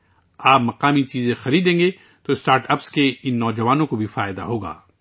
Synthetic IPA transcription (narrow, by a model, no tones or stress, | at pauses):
aːpmɐqaːmit͡ʃiːzẽxɐɾiːd̪ẽːŋɡe | t̪oɪsʈaːɾʈɐpskeɪnːɔːd͡ʒɐʋaːnõkobʱifaːɪd̪a̰ɦoːɡa̰ː